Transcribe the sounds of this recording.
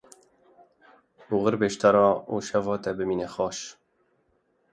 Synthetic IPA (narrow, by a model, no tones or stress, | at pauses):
buɣɨɾbeːʃt̪ɑɾɑːuʃɛvɑːt̪ɛbɨmiːnɛxɑːʃ